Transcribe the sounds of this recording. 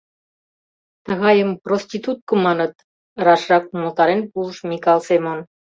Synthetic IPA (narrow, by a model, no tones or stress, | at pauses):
t̪ə̆ɣɑjəmprosʲt̪ʲit̪ut̪̚kɤ̆mɑnɤ̆t̪̚ | ɾɑʃrɑkumolt̪ɑɾenpuləʃmʲikɑlˠsemon